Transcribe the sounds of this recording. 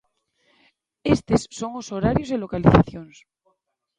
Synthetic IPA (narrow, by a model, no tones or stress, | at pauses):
est̪esːo̞ŋoso̞ɾaɾjozelo̞kaliθaθjons